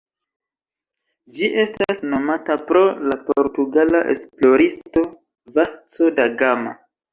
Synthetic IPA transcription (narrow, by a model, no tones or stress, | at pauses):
d͡ʒiʔe̞stasno̞matapɾo̞lapoɾtuɡalaʔe̞̰splo̞ɾisto̞ | vast͡sodaɡama̰